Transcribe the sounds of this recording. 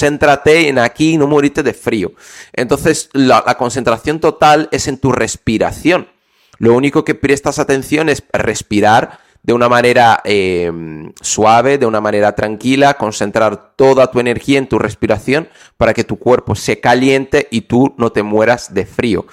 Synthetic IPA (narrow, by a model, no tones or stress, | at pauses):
e̞nt̪ɾat̪e̞ːnakino̞moɾit̪e̞ðe̞fɾio̰ | e̞nt̪o̞nθe̞slalʔa̰ko̞nθe̞nt̪ɾaθjo̞nt̪o̞t̪ale̞se̞nt̪ure̞spiɾa̰θjo̞n | lo̞uniko̞ke̞pɾe̞st̪asat̪ẽ̞nθjo̞ne̞sre̞spiɾaɾ | d̪eunamãne̞ɾaemswaβ̞e̞ðe̞unamãne̞ɾat̪ɾaŋkilako̞nse̞nt̪ɾaɾt̪o̞ðat̪ue̞ne̞ɾxiae̞nt̪ure̞spiɾaθjo̞n | paɾake̞t̪ukwe̞ɾpo̞sekalje̞nt̪e̞ʔit̪uno̞t̪e̞mwe̞ɾazðe̞fɾio̰